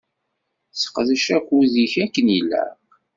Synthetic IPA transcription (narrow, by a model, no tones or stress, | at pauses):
sə̥qðəʃækʷːuðiçækːənilːæ̰